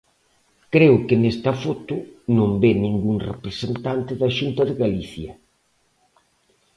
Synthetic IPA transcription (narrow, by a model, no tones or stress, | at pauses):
kɾeʊkɪnest̪ɐfɔt̪ʊnõmbenĩŋɡuŋrḛpɾesent̪ant̪ɪðɐʃunt̪ɐðɪɣaliθjɐ